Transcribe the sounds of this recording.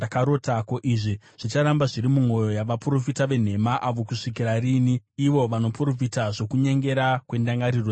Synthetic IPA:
akaɾotako̞ʔiʐi | ʐ̥it͡ʃaɾambaʐiɾimumwo̞jo̞jaʋapro̞fitaʋe̞n̤e̞maʔaʋo̞kuʂikiɾariːniiʋo̞ʋano̞pro̞fitaʐo̞kuɲe̞ŋɡe̞ɾakwe̞ndaŋɡaɾiro

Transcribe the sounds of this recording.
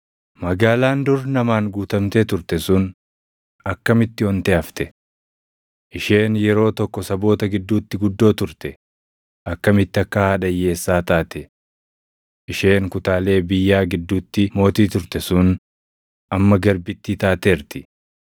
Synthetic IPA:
mɐɡaːlaːnd̪ʊɾnɐmaːŋɡuːt̪ɐmt̪eːt̪ʊɾt̪ɛsʊn | ɐkːɐmɪt̪ːɪhɔnt̪ɛɐft̪ɛ | ʔɪʃe̞ːnjɛɾo̞ːt̪ɔkːɔsɐbo̞ːt̪ɐɡɪd̪ːuːt̪ːɪɡʊd̪ːo̞ːt̪ʊɾt̪ɛ | ʔɐkːɐmɪt̪ːɪɐkːɐhɐᶑɐjːe̞ːsːaːt̪aːt̪ɛ | ʔɪʃe̞ːŋkʊt̪aːle̞ːbɪjːaːɡɪd̪ːuːt̪ːɪmo̞ːt̪iːt̪ʊɾt̪ɛsʊn | ʔɐmːɐɡɐɾbɪt̪ːit̪aːt̪eːɾt̪ɪ

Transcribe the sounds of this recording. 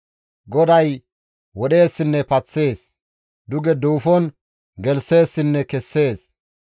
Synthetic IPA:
ɡɔd̪ɐj | wɔɗe̞ːsːɪnːɛpɐt͡sːe̞ːs | d̪ʊɡɛd̪uːfɔn | ɡɛlse̞ːsːɪnːɛkɛsːe̞ːs

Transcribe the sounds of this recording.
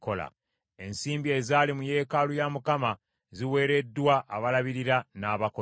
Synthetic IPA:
kola̰ | e̞nsiːmbie̞zalimuje̞ːkalujamukama | ziwe̞ːɾe̞dwaʔːβalaβiɾiɾanaːβako

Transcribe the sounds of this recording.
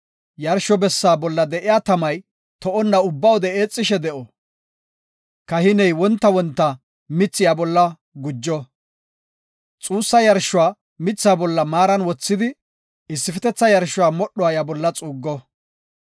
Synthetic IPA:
jɐɾʃɔbɛsːaːbɔlːɐd̪ɛʔɪjaːt̪ɐmɐj | t̪ɔʔɔnːɐʊbːɐwɔd̪ɛeːt͡sʼːɪʃɛd̪ɛʔɔ | kɐhɪnɛjwɔnt̪ːɐwɔnt̪ːɐ | mɪt͡sːɪjaːbɔlːɐ | ɡʊd͡ʒːɔ | t͡sʼuːsːɐjɐɾʃːʊwaː | mɪt͡sːjaːbɔlːɐmaːɾɐnwɔt͡sːɪd̪ɪ | ɪsːɪfɛt̪ɛt͡sːɐjɐɾʃʊwaːmɔɗːɔaːjabɔlːɐt͡sʼuːɡːɔ

